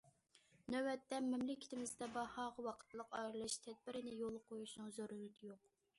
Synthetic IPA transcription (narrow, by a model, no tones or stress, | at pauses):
nøwɛt̪ːɛmɪmlɪkʲʰɪ̥t̪ʰɪmɪzd̪ɛbɑhɑːʁɑwɑqʰə̥t̪ʰlˠəqɑjɾɨlˠɨʃt̪ʰɛd̪̚bɪɾɪnɪjolˠqʰojuʃnɨŋzoɾylyt̪ɪjoq̚